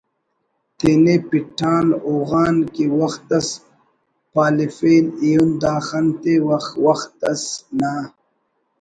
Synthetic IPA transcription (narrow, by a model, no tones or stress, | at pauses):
t̪enepiʈʰaːnoːɣaːnkiwɐxt̪ɐs | paːlifeːlijund̪aːxɐnt̪ewɐxwɐxt̪̚ɐsna